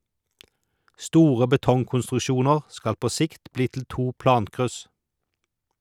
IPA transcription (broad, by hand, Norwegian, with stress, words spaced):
ˈstuːʁə bəˈtɔŋkʊnstʁʉˌʃuːnəʁ ˈskɑl ˈpoː ˈsɪkt ˈbliː tl̩ ˈtuː ˈplɑːŋkʁʉs